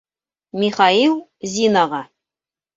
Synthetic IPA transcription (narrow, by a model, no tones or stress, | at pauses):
mʲiχɑilˠzʲinɑʁɑ